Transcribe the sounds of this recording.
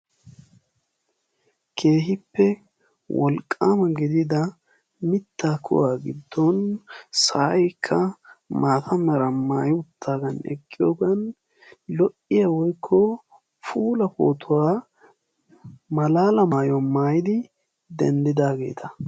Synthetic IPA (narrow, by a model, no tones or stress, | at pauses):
kʰe̞ːɦɪpːɛ | wʔɔ̰lkʼːaːmɐɡɪd̪ɪd̪ɐ | mɪt̪ːaːkʰʊ̰waːɡɪd̪ːɔnsɐʔjkʰːɐmaːt̪ʰɐmɐɾɐmaːjɪʊt̪ʰːaːɡɐnɛ̰kʼːɪjoːɡɐn | lɔʔɪjawɔjkʰːɔ | fuːlɐpo̞̰ːt̪ʰʊwaː | mɐlaːlɐmaːjɔmaːjɪd̪ɪ | d̪ɛ̰nd̪ɪd̪aːɡe̞ːt̪ʰɐ